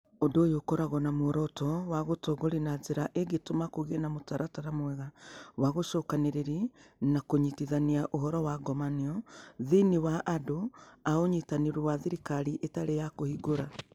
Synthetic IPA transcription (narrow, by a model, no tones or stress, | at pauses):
odojokoɾaɣɔnamoɾɔtɔwaɣotɔɣoɾinazeɾaʔeɡetomakoɣenamotaɾataɾamwɛɣawaɣoʃɔːkaneɾeɾinakoɲitiðaniaʔoɦɔɾɔwaɡɔmaniɔðiniwaʔːdoaoɲitaniɾowaðiɾikaɾiʔetaɾejakohiɡoɾa